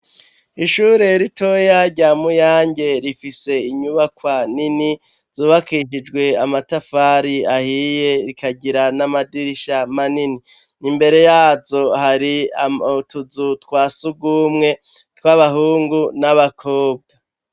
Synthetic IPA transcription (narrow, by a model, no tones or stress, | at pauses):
iʃuːɾe̞ɾitʰo̞jaɾɟaːmujaːɲɟe̞ɾifise̞iɲuβakwanini | z̥uːβakiʃid͡ʒɡwe̞amatafaːɾiahije̞ɾikaɟiɾanamadiɾiʃamanini | nimbe̞ɾe̞jaːzo̞haɾiatuzutkwaːsuɡuːmŋe̞ | tkwaβaɦuːŋɡunaβakʰo̞ːb̚ɡa